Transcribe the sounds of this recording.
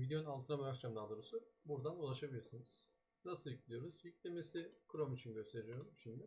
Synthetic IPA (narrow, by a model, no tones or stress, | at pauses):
vid̪eounalˠt̪ʰɯnabɯɾakt͡ʃʰamd̪ad̪uɾusubuɾd̪anulˠaʃabilʲiɾsiniz̥ | nasɯlˠiclʲijo̞ɾuzjyc̚lʲemesikʰɯɾomit͡ʃʰinɟøst̪ʰe̞ɾijoɾumʃind̪ɪ